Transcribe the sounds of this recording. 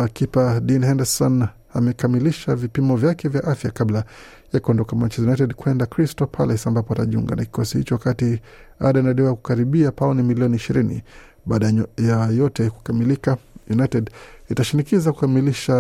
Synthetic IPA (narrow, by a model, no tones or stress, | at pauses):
kipaɗinhɛndɛsɔn | amɛkamiliʃavipimɔvjakɛvjaʔafjakabla | jakuɔndɔkamaɲt͡ʃɛzjunatɛdkuɛndakɾistɔpʰalɛsambapɔataʄiṵŋɡa̰naki̥kɔsihḭt͡ʃɔwakati | a̰ɗanaɗɛwajaku̥kaɾiɓiapaɔnimiliɔniːʃiɾinḭ | ɓaːɗajajɔtɛku̥kamilikajunaitɛditaʃinikizaku̥kamiliʃa